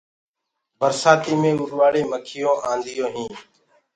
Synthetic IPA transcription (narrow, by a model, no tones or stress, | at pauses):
bəɾsaːt̪iːmẽːʊɾʋaːɽeːməkʰɪjõːʔaːnd̪ɪjoːɦĩː